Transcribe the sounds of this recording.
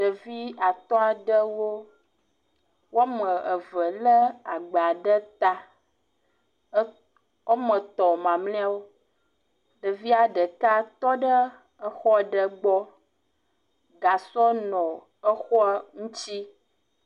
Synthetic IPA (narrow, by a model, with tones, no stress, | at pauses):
ɖə˨vi˦a˨t̪ɔ̃˦a˨ɖə˦wo˦ | wo˦mə̃˨ə˨və˨lə˦a˨ɡ͡ba˨ɖə˦t̪a˦ | wʔo˦mə̃˨t̪ɔ˨mã˨mlɛ̃˦a˦wo˦ | ɖə˨vi˦a˨ɖə˨ka˦t̪ɔ˦ɖə˦ | ə˦xɔ˦˨ɖə˦ɡ͡bɔ˦ | ɡa˨sɔ˦nɔ̃˨ | ə˦xɔ˦ŋũ˦t͡ɕi˦